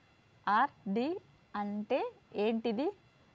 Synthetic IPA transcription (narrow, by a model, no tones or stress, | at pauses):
aːɾɖi | ɐɳʈeeːɳʈid̪i